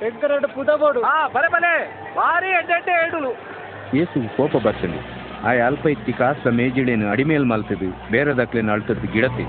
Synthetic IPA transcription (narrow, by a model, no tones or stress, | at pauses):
eŋɡɐɾɐɖupud̪ɐɡoːɽuaːbɐlebɐle | baːɾiɐɳd̪eɳʈeeɽulu | jeːsuɡukɔːpɐbɐɾsɐnd̪ḭ | aːjɐlpɐjt̪ːikaːsɐmeːd͡ʒiɭenuɐɽimeːlmɐlt̪id̪ubeːɾɐd̪ɐklenɐɭt̪ɐd̪uɡiɽɐt̪ːe